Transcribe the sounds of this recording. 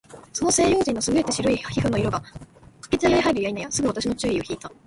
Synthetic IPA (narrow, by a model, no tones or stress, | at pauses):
so̞no̞se̞ːjo̞ːd͡ʑĩnːosɨɡɯ̟e̞t̪eɕiɾo̞içihɯ̟noiɾo̞ɡakḁke̞t͡sɨaɡeɾiɦaiɾɯjainajasɨɡɯ̟βat̪aɕino̞t͡ɕɨːio̞çiːt̪a